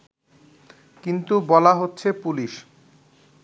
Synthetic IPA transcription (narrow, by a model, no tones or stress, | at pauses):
kint̪ubɔlaɦotːɕʰepuliʃ